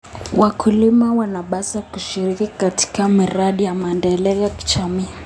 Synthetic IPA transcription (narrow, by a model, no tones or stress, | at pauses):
wakʰulimawanaɓasakuʃiɾikikati̥kamiɾaɗijamaɛndɛlɛɔjaki̥t͡ʃamiː